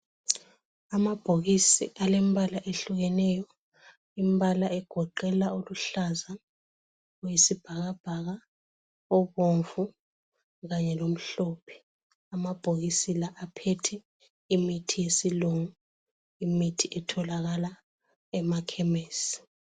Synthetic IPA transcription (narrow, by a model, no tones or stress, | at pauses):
amab̥ʱoɣisḭʔalembʱalaʔeɬuɣɛnɛjɔ | imbalaɛɡ̥ʱɔǃɛlaoluɬaza | jisib̥ʱaɣab̥ʱaɣa | ɔβoɱvu | ɣaɲɛlom̩ɬɔpʰɛ̥ | amab̥ʱoɣisilaʔapʰetʰɛ | imitʰijesiluŋu | imitʰiʔɛtʰɔlaɣala | ɛmakʰɛmeːsi̥